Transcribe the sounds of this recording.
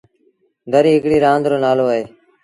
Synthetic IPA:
d̪ʱəɾiːɦɪkɽiːɾãːnd̪ɾoːnaːloːəɦeː

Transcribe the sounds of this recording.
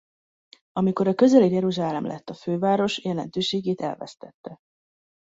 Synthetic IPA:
ɒmiko̞ɾɒkø̞zɛlejɛɾuʒaːlɛmlʔɛ̰t̪ːɒføːvaːɾo̞ʃjɛlɛnt̪øːʃeːɡeːt̪ɛ̰lvɛ̰st̪ɛt̪ːɛ

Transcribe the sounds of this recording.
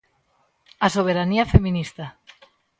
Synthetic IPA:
asoβ̞eɾaniafemĩnist̪a

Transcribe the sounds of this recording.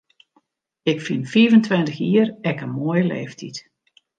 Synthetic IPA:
ɪkfinfiəvəntʋɪntəxiːərɛkənmoːjəlḛːftʰit

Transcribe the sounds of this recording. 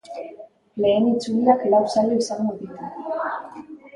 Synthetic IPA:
le̞ːnit͡suliaklawsaloisaŋɡoðitu

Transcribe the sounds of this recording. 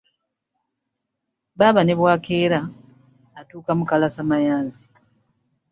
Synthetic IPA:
βaːβane̞βwaːkeːɾaː | tuːkamukalasamajaːnzi

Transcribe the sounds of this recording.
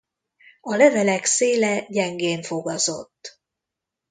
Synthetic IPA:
ɒlɛvɛlɛkseːlɛɟɛŋɡeːɱfo̞ɡɒzo̞t̪ː

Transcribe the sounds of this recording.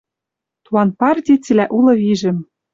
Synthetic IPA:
t̪uɑnpɑrt̪ʲit͡silæʔulɤ̆βiʒɘ̆m

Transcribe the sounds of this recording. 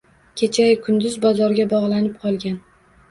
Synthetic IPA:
kʲʰet͡ʃʰakʰʊnd̪ʊzbɒzɒɾɡʲabɒʁlˠanɪp̚qʰɒlˠɡʲan

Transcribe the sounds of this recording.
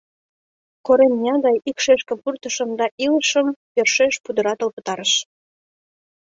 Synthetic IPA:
koɾemnʲɑd̪ɑjikʃeʃkepurt̪əʃəmd̪ɑʔiləʃəmperʃeʃpud̪əɾɑt̪ə̆lpə̥̆t̪ɑɾəʃ

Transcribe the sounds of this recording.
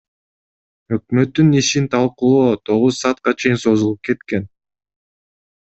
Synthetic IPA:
ø̞k̚mø̞t̪ːyniʃint̪ʰɑlˠqulˠoːt̪ʰo̞ʁuzsɑːt̪̚qɑt͡ʃʰe̞jinso̞zulˠup̚ke̞t̪ke̞n

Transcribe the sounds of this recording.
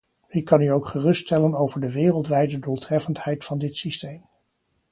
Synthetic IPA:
ɪkːɑnyowkχərɵstɛlənowvəɹdəʋɪːrəlˠtʋɛjdədulˠtrɛfənthɛjtfɑndɪtsistejm

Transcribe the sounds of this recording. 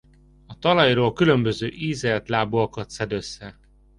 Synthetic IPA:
ɒt̪ɒlɒjroːlkylø̞mbø̞zøːʔiːzɛlt̪laːbuɒkɒt̪sɛd̪øsːɛ

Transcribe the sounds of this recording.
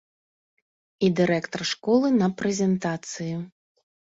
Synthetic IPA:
id̪ɨɾɛkt̪ɐrʂkɔlˠɨnɐpɾɛzʲɛnt̪at̪sɨju

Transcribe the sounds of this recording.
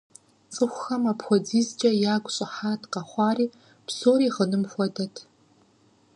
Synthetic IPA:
t͡sʼɨxʷxɐmapxʷɔd͡ziːzt͡ʃʼɐjaːɡʷʼɕʼɪħaːtʰqɐχʷɑːriː | psoːɾiːʁənɨmxʷɔdɐtʰ

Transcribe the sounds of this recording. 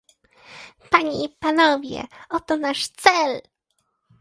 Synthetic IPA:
paɲeipanɔvʲjɛ̰ɔt̪ɔnaʂt̪sɛl

